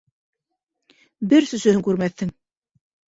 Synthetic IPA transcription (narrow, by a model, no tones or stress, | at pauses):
bɘɾsɵ̆sɵ̆hɵŋkʉɾmæθːɘŋ